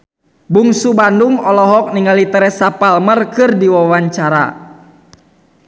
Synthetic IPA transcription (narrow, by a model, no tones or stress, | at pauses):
buŋsubanduŋɔlɔɦɔk̚niŋalit̪əɾɛsapalmərkɨrdiwawaɲt͡ʃaɾa̰